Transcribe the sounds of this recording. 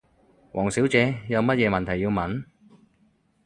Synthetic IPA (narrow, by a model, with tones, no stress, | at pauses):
wʔɔ̰ː˨˩ŋsiː˨˥wt͡sɛː˨˧jɐ˨˧wmɐ˥t̚jɛː˨˧mɐ˨nt̪ʰɐ˨˩jːi˧wmɐ˨˥n